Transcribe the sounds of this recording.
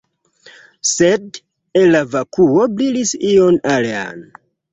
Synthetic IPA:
sed | elːavakuoblilisionalea̰n

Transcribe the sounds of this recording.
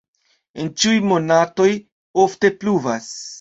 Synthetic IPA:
ent͡ʃiujmo̞nato̞j | o̞fte̞pluvas

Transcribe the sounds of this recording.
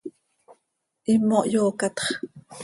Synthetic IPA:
ʔimoʔjoːkɑt̪χ

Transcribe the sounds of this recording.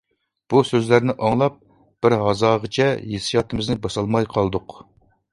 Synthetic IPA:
b̥usøzlæɾnɪʔɑŋlˠɑp̚ | b̥ɪɾɦɑzɑːʁət͡ʃʰɛjesijɑt̪ɨmɪznɪbɑsɑlˠmɑjqʰɑlˠd̪ʊq

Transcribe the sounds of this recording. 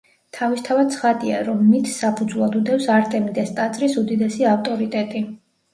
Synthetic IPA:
t̪ʰavist̪ʰavad̪̚t̪sʰχad̪ia̰ɾɔmːit̪ʰsapʰud̪zvlˠad̪ud̪ɛfsaɾt̪ʼɛmid̪ɛst̪ʼat̪sʼɾisud̪id̪ɛsiaft̪ʼɔɾit̪ʼɛt̪ʼi

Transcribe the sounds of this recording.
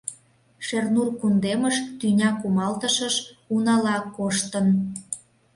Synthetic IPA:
ʃernurkund̪eməʃt̪ynʲɑkumɑlt̪əʃəʃunɑlɑkoʃt̪ən

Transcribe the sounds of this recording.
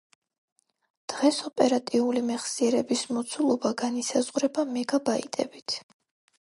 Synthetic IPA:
d̪̥ʁɛsɔpʼɛɾat̪ʼiulimɛχsiɛɾɛbismɔt̪sʰulˠɔbaɡanisazʁɾɛbamɛɡabaḭt̪ʼɛ̰bit̪ʰ

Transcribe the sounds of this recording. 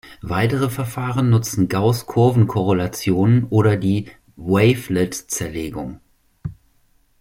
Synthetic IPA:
vaɪtəʁ̞əfɛɐfaːʁənːʊt͡sn̩ɡaʊskʰʊɐvn̩kʰɔʁ̞olat͡sjoːnənʔoːɾɐdiː | weɪflɛtt͡sɛɐleːɡʊ̰ŋ

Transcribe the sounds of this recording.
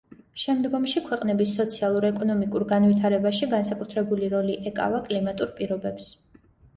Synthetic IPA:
ʃɛmd̪ɡɔmʃikʰwɛqʼnɛbisːɔt̪sʰialˠuɾɛkʼɔnɔmikʼuɾɡanvit̪ʰaɾɛbaʃiɡansakʼut̪ʰɾɛbuliɾɔliʔɛkʼa̰vakʼlimat̪ʼuɾpʼiɾɔbɛps

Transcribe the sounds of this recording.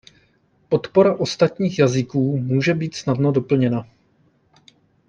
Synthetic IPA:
po̞t̪po̞ɾaʔo̞st̪at̪ɲiːxjazɪkuːmuːʒɛbiːt̪snadno̞do̞pl̩ɲɛna

